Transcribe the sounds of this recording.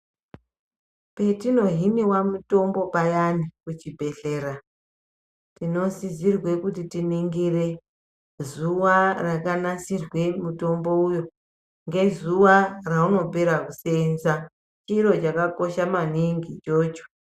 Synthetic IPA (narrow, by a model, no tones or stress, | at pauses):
pe̞tino̞ɦiniwamuto̞mbo̞pajanikut͡ʃibʱe̞ɬe̞ːɾa | tino̞sizirwe̞kutitiniŋɡire̞ | zuwarakanasirwe̞muto̞mbo̞ujo̞ | ŋɡe̞zuwarauno̞pe̞ɾakuse̞nza | t͡ʃiɾo̞t͡ʃakako̞ʃamaniŋɡit͡ʃoːt͡ʃo̥